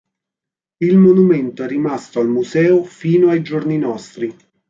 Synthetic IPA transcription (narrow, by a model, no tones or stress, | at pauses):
ilmonument̪oɛrːimast̪oalmusɛːofiːnoajd͡ʒorninɔst̪ɾi